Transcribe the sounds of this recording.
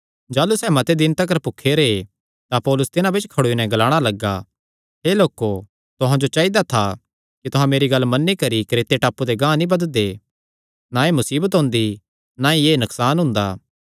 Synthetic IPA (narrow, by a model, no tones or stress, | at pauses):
d͡ʒaːlusɛːmɐt̪ed̪ɪnt̪ɐk̬ɐɾpʊkʰːeɾe | t̪apɔːlʊst̪ɪnãbɪt͡ʃkʰɐɽoːinɛ̃ɡɐlaːɽ̃alɐɡːa | ɦeːloːko | t̪ʊɦãd͡ʒot͡ʃaːid̪at̪ʰa | kit̪ʊɦãmeːɾiɡɐlːmɐnːikɐɾikɾeːt̪eʈaːpud̪eɡãːnibɐd̪d̪e | naemʊsiːbət̪ɦʊ̃ːnd̪i | naieːnʊksaːnɦʊ̃nd̪aː